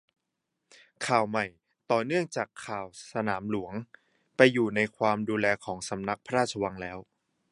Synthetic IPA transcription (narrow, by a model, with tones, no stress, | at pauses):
kʰaː˨˩wma˨˩j | t̪ɔː˨˩nɯ˥˩əŋt͡ɕaː˨˩kʰːaː˨˩wsa˧naː˩˦mlu˩˦əŋ | pa˧jːuː˨˩na˧jkʰwaː˧mduː˧lɛː˧kʰɔː˩˦ŋsa˩˦mna˦˥k̚pʰa˧ɾaː˥˩t̪̚t͡ɕʰa˧wa˧ŋlɛː˦˥w